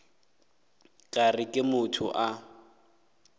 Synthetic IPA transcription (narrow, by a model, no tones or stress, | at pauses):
kʼarɪkʼɪmʊtʰʊ̰ʔa